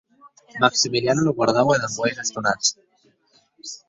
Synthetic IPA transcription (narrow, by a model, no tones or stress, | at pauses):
maksimiljanoloɣwaɾðaweðabojɣest̪unat͡s